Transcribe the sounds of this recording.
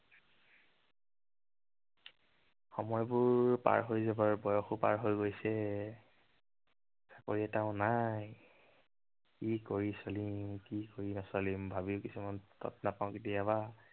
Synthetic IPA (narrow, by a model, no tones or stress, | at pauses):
xɔmɔjbʊɹpa̰ɹɦojzabaɹbɔjɔxupa̰ɹɦojɡojsɛ | sḁkoɹiɛtaʊ̃naj | kikoɹisolimkikoɹinasɔlimbʱabiʊkisumantɔ̰tnapaʊ̃kit̬iaba